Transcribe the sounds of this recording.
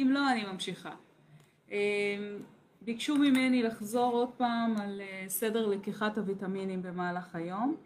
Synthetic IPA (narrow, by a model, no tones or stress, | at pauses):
imlo̞animamʃiχa̰ | em | bikʃumime̞nilaχzo̞ʁo̞d̚paːmalese̞de̞ʁlekiχatavitaminimbe̞maːlaχajo̞m